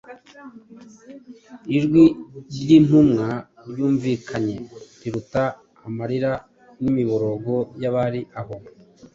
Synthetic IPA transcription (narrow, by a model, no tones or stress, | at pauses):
iɾɡwiɾjin̥umŋa | ɾjuːɱviːkʰaɲe̞ɾiɾutaː | maɾiɾa | nimiβoɾo̞ɡo̞jaβaɾiʔaβo